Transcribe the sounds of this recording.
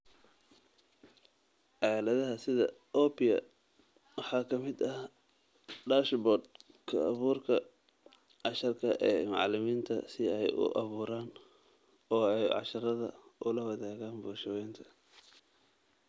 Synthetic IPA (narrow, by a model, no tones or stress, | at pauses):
ʕɑːlɐðɐɦɐsɪðɐ̰ | ʔɔːpɪjɐ̰ | wɑħɑːkʰɐmɪd̪ɐ | ɖaːʃbɔːd̪ | kʰɐ̰ʔːβuːrkʰɐ | ʕɑʃɐrkʰɐʔɛːmɑ̰ʕlɪmiːnt̪ʰɐ̰sɪɛjʊ̰ʔɑβuːɾaːn | ɔːɛjʕɑ̰ʃɐɾɐðɐ̰ʔʊlɐwɑðaːɣaːnbuːʃɐwɛjnt̪ʰɐ̥